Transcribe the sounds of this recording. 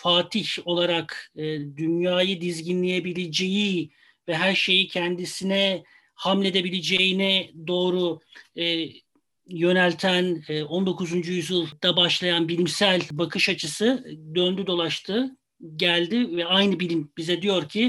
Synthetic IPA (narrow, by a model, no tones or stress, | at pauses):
faːt̪ʰiço̞lˠaɾakːd̪ynjaːjɯd̪izɟinlʲejebilʲed͡ʒeji | vɛɦæɾʃe̞jicʰɛnd̪isinɛ | hamlʲe̞d̪e̞bilʲed͡ʒejinɛd̪o̞ːɾu | jø̞nælʲt̪ʰænːo̞nd̪o̞kʰuzund͡ʒujyzjɯlˠd̪̥abaʃlˠajanbilʲimsælʲbakʰɯʃat͡ʃʰɯsɯd̪ønd̪yd̪o̞lˠaʃt̪ʰɯ | ɟælʲd̪ɪvɛajnɯbilʲimbizɛd̪ijo̞ɾcʰi